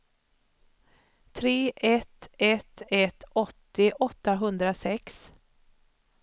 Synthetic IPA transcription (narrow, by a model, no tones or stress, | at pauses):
t̪ʰɾeːʔɛt̪ɛt̪ɛt̪ɔt̪ːɪʔɔt̪ːaɦɵnd̪ɾasɛks